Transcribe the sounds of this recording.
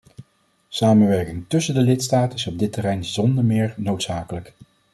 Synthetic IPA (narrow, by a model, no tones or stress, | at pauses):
saːmənʋɛɹkɪŋtɵsəndəlɪtstaːtɪsɔb̚dɪtərɛjnzɔndəɹmɪːɹnowtsaːkələk